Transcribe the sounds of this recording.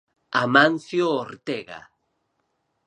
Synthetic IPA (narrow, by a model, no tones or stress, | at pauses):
amãnθjoːɾt̪eɣa̰